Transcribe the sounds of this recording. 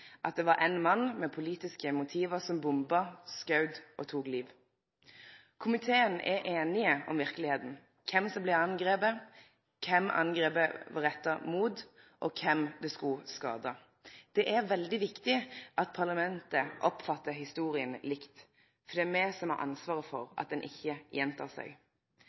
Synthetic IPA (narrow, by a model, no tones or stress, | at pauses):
ʔɑ̰t̪̚d̪ɛʋɑɾʔɛɪnmɑnːmɛpʰʊliːt̪ɪskəmʊt̪ʰiːʋəsɔmbʊmbɑskɑʉd̪ʔɔt̪ʰuːɡliːʋ | kʰʊmɪt̪ʰeːənɛ̰ʔeːnɪəɔ̰mʋɪʁkəlɪheːt̪n̩ | kʰɛmsɔmblɛɑnɡɾeːpə | kʰɛmʔɑ̰nɡʁeːpəʋɑʁɛt̪ːəmuːd̪ | ʔɔkʰɛmd̪ɛskʊskɑ̰ːd̪ɑ | d̪̥ɛʔæɾʋɛld̪ɪʋɪkt̪ɪʔɑt̪̚pʰɑʁlɑmɛnt̪əʔɔpfɑt̪ːəɦɪst̪uːʁɪənlɪkt̪ | fɔʁd̪ɛːmɛsɔmɑ̰ʔɑ̰nsʋɑːʁəfɔ̰ɾʔɑ̰t̪̚d̪ɛnʔɪ̰çːəjɛnt̪ʰɑ̰ːsæ̰ɡ